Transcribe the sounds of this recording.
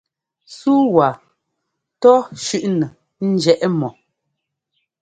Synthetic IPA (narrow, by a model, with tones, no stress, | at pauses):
suː˦wa˨ | tɔ˦ʃʉ˦ʔnə˨ | n̩˦d͡ʒɛ˦˨ʔɛ˦mɔ˨